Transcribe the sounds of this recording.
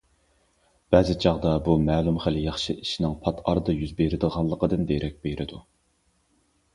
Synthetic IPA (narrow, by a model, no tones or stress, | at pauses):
b̥ɛːzɪt͡ʃʰɑʁd̪ɑbumæːlˠumχæljɑχʃɨʔiʃinɪŋpʰɑt̪ʰɑɾd̪ɨjyzbeɾɪd̪əʁɑlˠːəqəd̪ɨnd̪eɾʔɛk̚ʲbejɾʔɪd̪u